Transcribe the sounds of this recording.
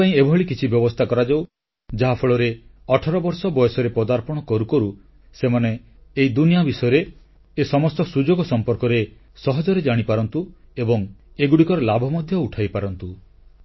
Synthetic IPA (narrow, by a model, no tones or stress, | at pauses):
aĩebʱɦɔɭikit͡ʃʰibjɔbɔst̪ʰakɔɾad͡ʒaw | d͡ʒaɦapʰɔɭɔɾeɔʈʰɔɾɔbɔɾsɔbɔjɔsɔɾepɔd̪aɾpɔɽ̃ɔkɔɾukɔɾu | semaneː | id̪unijabisɔjɔɾeː | sɔmɔst̪ɔsud͡ʒoɡɔsɔmpɔɾkɔɾe | sɔɦɔd͡ʒɔɾed͡ʒaɽ̃ipaɾɔnt̪uebɔŋ | eɡuɽikɔɾelabʱɔmɔd̪ʱjɔuʈʰajpaɾɔnt̪u